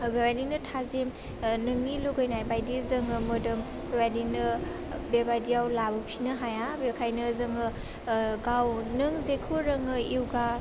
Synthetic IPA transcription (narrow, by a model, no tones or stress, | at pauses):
bewajdinɯtʰazem | nɯŋːiluɡɯjnajbajdizɯŋɯmɯdɯm | bebajdinɯ | bebajdijawlabɯpʰinɯɦajabekʰajnɯzɯŋɯ | ɡawnɯŋzekʰuɾɯŋɯiwɡa